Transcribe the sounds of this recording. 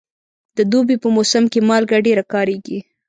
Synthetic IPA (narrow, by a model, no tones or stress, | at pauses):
d̪̥əd̪obipəmosamkemɑlɡaɖeɾakɑɾeɡi